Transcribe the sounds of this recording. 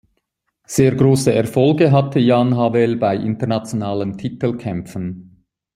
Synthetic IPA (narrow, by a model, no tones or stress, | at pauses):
z̥eːɐɡʁoːsəʔɛɐfɔlɡəɦatʰəjaːnɦavɛlbaɪʔɪntəɐʁnat͡sjonaːləntʰitəlkʰɛmfən